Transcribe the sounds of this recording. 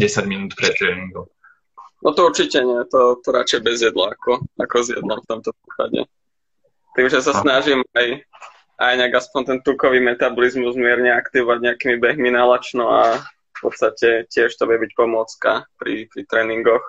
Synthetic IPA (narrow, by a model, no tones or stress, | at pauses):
ɛsaɟminuːt̪pɾɛt̪ɾɛniŋɡɔ | nʔɔt̪ɔuɾt͡ʃicɛɲɛt̪ɔt̪ɔɾa̰t͡ʃɛjbɛzjɛd̪la̰akɔakɔzjɛ̰d̪lɔmft̪ɔmt̪ɔpɾiːka̰ɟɛ̰ | t̪iːmʒɛsasnaʒimaj | ʔajɲɛaɡaspɔɲt̪ɛnt̪ukɔʋiːmɛt̪abɔlizmuzmɪɛɾɲɛakt̪iʋɔʋaɟɲɛakiːmibɛɦminalat͡ʃnɔaffpɔt̪st̪acɛcɪɛʃt̪ɔbjɛbic̚pɔmʊɔt͡ska̰pɾipɾit̪ɾɛːniŋɡɔx